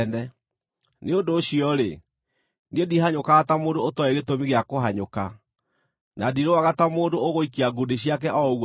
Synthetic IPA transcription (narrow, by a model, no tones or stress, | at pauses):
ndɛ | neondoːɕiɔɾe | niediɦaɲokaatamoːndootɔeɣetomiɣeakoɦaɲoka | nadiɾowaɣatamoːndooɣoikeaɡudeɕiakɛʔɔ